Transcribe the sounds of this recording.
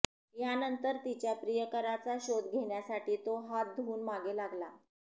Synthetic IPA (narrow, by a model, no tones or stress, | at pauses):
janənt̪əɾt̪it͡ɕjapɾijəkəɾat͡saɕod̪ɡʱeɳjasaʈiːt̪oɦat̪̚d̪ʱuːnmaɡelaɡla